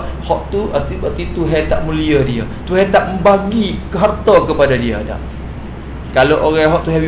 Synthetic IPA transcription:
hɔʔt̪uət̪ibət̪it̪uɦɛt̪aʔmũliadia̰ | t̪uɦɛt̪aʔməbaɡikəɦart̪akəpadadia̰da̰ʔ | kaloʔoɣaɦɔʔ̚t̪uɦɛi

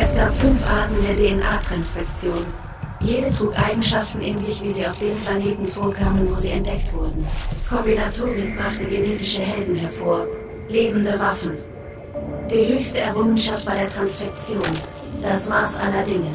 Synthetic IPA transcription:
ʔɛsɡ̥aːpfʏnfʔaːɐtn̩deːɐdeːɛnʔaːtʁ̥ansfɛk̚t͡sjoːn | jeːdətʁ̥uːkʔaɪɡŋ̩ʃaftn̩ʔɪ̰nzɪçv̥iːziːaʊfd̥eːnplaneːtn̩foːɐkʰaːmənvoːziːɛntd̥ɛktv̥ʊɐdn̩kʰɔmbinatʰoːʁɪk̚b̥ʁaχtəɡeneːtɪʃəɦɛldn̩ɦɛɐfoːɐ | leːbm̩dəvafn̩ | d̥iːɦøːçstəɛɐʁʊŋənʃaftv̥aːdeːɐtʁ̥ansfɛk̚t͡sjoːn | d̥asmaːsʔa̰lɐdɪŋə

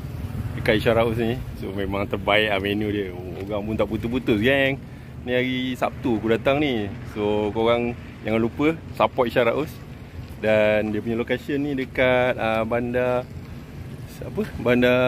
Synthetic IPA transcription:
dəkat̪̚iʃaɾaus̬nĩsomemãŋt̪ərbaiʔahmenudiəoɣaŋpunt̪aʔput̪uhput̪ʊsɡɛŋ | nĩaɣisap̚t̪uakudat̪aŋnisokoɣaŋ | jaŋanlupəsapɔʔ̚iʃaɾaʔus | dandiəp̬uɲəlokasənːĩdəkat̪̚əbanda | apəbanda

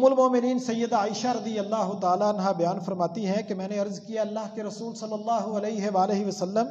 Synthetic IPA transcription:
mʊlmɔːmɪniːnsɐjːəd̪aːɪʃaɾɐd̪ijɐlːaːɦʊt̪aːlaɐnɦabɐjaːnfɐɾmaːt̪iɦɛ̃kemɛ̃ːneɐɾzkijaɐlːaːɦkeɾɐsuːlsɐlːəlːaːɦuɐlɛːɪɦeʋaːleɦiʋɐsɐlːəm

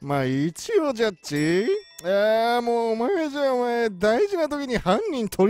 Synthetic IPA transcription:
mait͡ɕiod͡ʑat͡ɕi | amoːmaeeʑãomaed̪aiʑinat̪o̞kʲiɲ̟ihãɲ̟ːĩnt̪ʰo̞ɾ

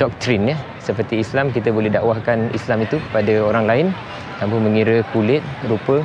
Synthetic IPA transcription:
d̥ɔk̚t̪ɾinjə | səpərt̪iːslamkit̪abolɛɦdaʔwahkanḭslamit̪upadaoɾaŋlaɪn | t̪ampəmə̃ŋiɾəkulɪt̪̚ɾupə

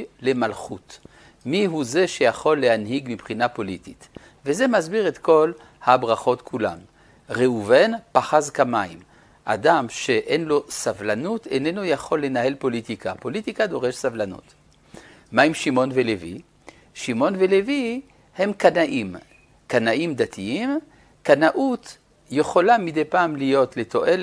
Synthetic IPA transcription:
le̞malχut̪ | miɦuze̞ʃejaχo̞lːehanhiɡmipχinapo̞lit̪it̪ | veze̞mazbiʁet̪ko̞l | habʁaχo̞t̪kʰula̰m | ʁeuvenpaχazkamaḭm | ʔa̰damʃe̞ʔenlo̞savlanut̪enenojaχo̞lːe̞nahe̞lpo̞lit̪ikapo̞lit̪ikad̪o̞ʁeʃsavlanṵt̪ | maimʃimo̞nvelevḭ | ʃimo̞nvelevi | he̞mkanaʔim | kanaʔimd̪at̪ʰiim | kanaʔut̪ | jeχo̞lamid̪ejpaːmlijo̞t̪let̪ʰo̞ʔel

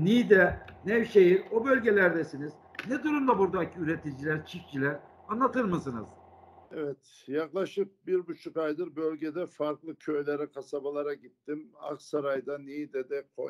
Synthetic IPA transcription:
nid̪ɛnɛvʃejiɾobø̞lʲɟe̞lʲæɾd̪ɛsiniz̥ | nɛd̪uɾumd̪abuɾd̪acʰiyɾe̞t̪ʰid͡ʒilʲæɾt͡ʃʰift͡ʃʰilʲɛ | anlˠat̪ʰɯɾmɯsɯnɯ̰z̥ | ɛvɛt̪jaklˠaʃɯp̚biɾbut͡ʃʰukajd̪ɯɾbølʲɟed̪ɛfaɾklˠɯcʰøjlʲeɾɛkʰasabalˠaɾaɟit̪ːima̰ksaɾajd̪anijd̪ɛd̪ɛkʰo̰

